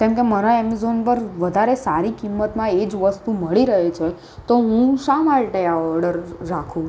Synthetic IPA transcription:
kɛ̃mkeməɾaemizonpəɾʋəd̪ʱaɾesaɾikimːət̪mãed͡ʒʋəst̪uməɭiɾəɦet͡ʃʰe | t̪oɦũʃamaɭʈeaɔɾɖəɾːakʰũ

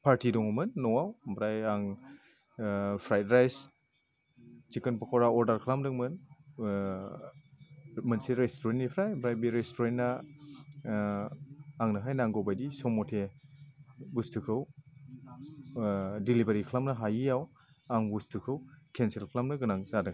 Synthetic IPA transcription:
pʰaɾtidɔŋmɯnːɔŋawbɾajaŋ | pʰɾajdɾajs | t͡ʃikɯnpakʰawɾaɔɾdaɾkʰlamdɯŋmɯn | mɯnsiɾestoɾentnipʰɾajbɾajbiɾestʰoɾentna | ŋnaɦajnaŋɡobajdisɔmɔtʰe | bustukʰɯw | dilibaɾikʰlamnɐɦajijaw | aŋbustʰukʰɯwkʰenselkʰlamnɐɡɯnaŋzadɯŋ

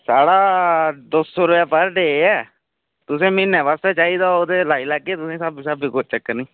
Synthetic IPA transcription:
saːɽaːd̪osːoːɾʊaːpəɾɖeːeɛː | t̪ʊsẽːmɪnɛːʋaːst̪eːt͡ʃaːiːd̪aːoːd̪eːlaːiːləɡeːt̪ʊsẽːsəbiːsəbiːkʊt͡ʃʰt͡ʃəkːəɾnĩː

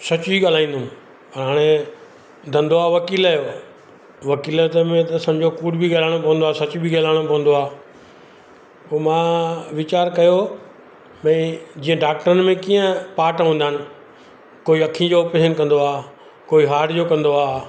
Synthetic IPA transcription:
sɐt͡ɕʊbiɠaːl̤aːĩːnd̪ʊm | pɐɾɦaːɽ̃e | d̪ʱɐ̃nd̪oaːʋɐkiːlaːjoː | ʋɐkiːlt̪mẽt̪ɐsɐ̃md͡ʑʱokuːɖbʱiɠaːlaːɽ̃opɐʋə̃nd̪oaːsɐt͡ɕbʱiɠaːlaːɪɽ̃opɐʋə̃n̆d̪oaː | poːmãʋɪt͡ɕaːɾkɐjo | mɛ̃ːd͡ʑiːə̃ɖaːk̚ʈəɾənɪmẽkiːə̃paːʈɦũːnd̪aːnɪ̆ | koːiɐkʰĩd͡ʑoːpɪsənkɐ̃nd̪oaː | koːiɦaːʈd͡ʑoːkɐ̃nd̪oaː

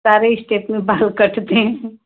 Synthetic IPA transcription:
saɾeɪsʈepmebʱalkəʈʰt̪ẽ

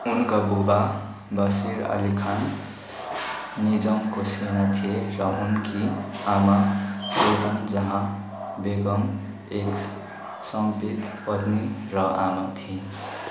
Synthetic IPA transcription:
unkabuba | bʌsiɾʌ̰likʰan | nid͡zʌmkosenat̪ʰieɾʌunkiamasot̪ʌnd͡zʌɦã | beɡʌm | ek | sʌmpit̪pʌd̪niɾʌʔamat̪ʰie

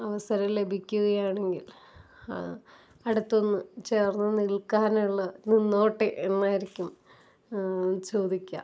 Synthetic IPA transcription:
ɐʋɐsɐɾɐmle̞bʱikʲːuɣɐjaːɳe̞ŋɡil̰ | ɨ̰ | ɐɽut̪ːo̞nːɨt͡ɕeːrnːɐniɭkaːnuɭːɐninːo̞ːʈːɨʔenːaːjiɾikʲːum | t͡ɕo̞ːd̪ʱikʲːɐ̰

